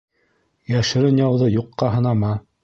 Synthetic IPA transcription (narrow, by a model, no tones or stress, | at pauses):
jæʃɘ̆ɾɘnjɑwðɤjuqːɑɦɤ̆nɑmɑ